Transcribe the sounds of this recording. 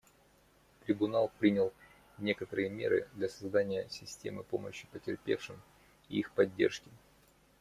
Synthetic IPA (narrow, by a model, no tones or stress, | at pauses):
t̪ɾʲɪbʊnalˠpɾʲinʲɪlˠ | nʲe̞kət̪əɾɨjəmʲe̞̰ɾɨ̰d̪lʲɐsɐzd̪anʲɪjəsʲɪsʲtʲe̞̰mɨpo̞̰mə̰ɕːɪ̥pətʲɪrpʲe̞̰fʂɨm | iixpɐdʲːe̞̰rʂkʲɪ